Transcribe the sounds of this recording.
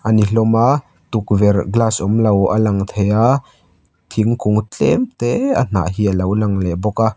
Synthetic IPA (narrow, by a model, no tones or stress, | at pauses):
ʔaniɬɔmaʔ | t̪uk̚vɛrɡlasʔɔmlɐwalɐŋt̪ʰejaʔ | t̪ʰiŋkʊŋt͡ɬʼɛ̰mt̪ɛə̰n̥a̰ʔɦiəlɐwlaŋlɛbɔkaʔ